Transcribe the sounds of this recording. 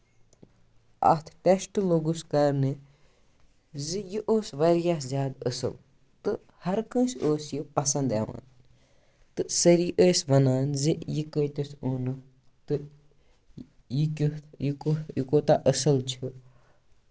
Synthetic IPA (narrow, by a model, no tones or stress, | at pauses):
ɐ̰t̪ʰʈesʈloɡuskɐɾnɨ | zɨjiʔoːsʋɐɾjaːszʲaːd̪əsɨ̰l | t̪ɨ | hɐɾkə̃nsoːsjipɐsɐ̃nd̪ɐ̰ːʋa̰ːn | t̪ɨsɐɾiːʔəːsʋɐnaːnzijikəjt̪ɐsonɨ | t̪ɨ | jikʲijikojikoːt̪aʔɐsɐlt͡ʃʰi